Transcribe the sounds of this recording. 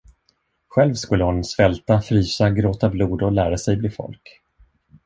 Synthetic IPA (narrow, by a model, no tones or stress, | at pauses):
ɧɛlvskɵlːəhʊnsvɛlt̪afɾyːsaɡɾoːt̪abluːd̪ɔlæːɾasɛjbliːfɔ̰lk